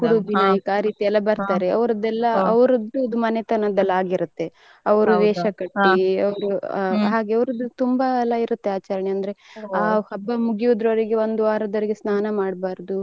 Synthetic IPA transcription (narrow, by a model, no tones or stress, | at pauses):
kuɽubiaːjɐkaːɾiːt̪iɛlːɐbɐɾt̪aːɾeɐ̰ʋɾɐd̪ːɛlːɐɐʋɐɾɐd̪uɐd̪umɐnet̪ɐnɐd̪ɐlːaːɡiɾut̪ːe̞ | ɐʋɐɾuʋɛːʃɐkɐʈːiɐʋɐɾuɦaːɡeɐʋɐɾɐd̪ːut̪umbɐɛlːɐiɾut̪ːeaːt͡ʃɐɾɐɳeɐnd̪ɐɾe̞ahɐbːɐmuɡiud̪ɾɐʋɐɾiɡeo̞nd̪uaːɾɐd̪ɐɾiɡesnaːnɐmaːɽbaːɾd̪u